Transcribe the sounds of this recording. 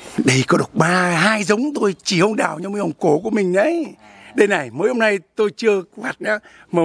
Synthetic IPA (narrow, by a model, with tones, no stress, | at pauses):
ɗə˧jkɔ˨˦ɗə˨˩wk͡p̚ɓaː˧ɦaː˧jzə˨˦wŋ͡mt̪o˧jt͡ɕi˧˩hə˧wŋ͡mɗa̰ː˨˩wɲa˧məː˨˧˦hə˨˩ŋ͡mko˧˩ku˧˩əmï˨˩ŋ̟ɗə˨˦j | ɗe˧na˨˩jməː˨˦jho˧ŋ͡mna˧jt̪o˧jt͡ɕɨ˧əvaː˨˩t̚ɲaː˧˦ | ma˨˩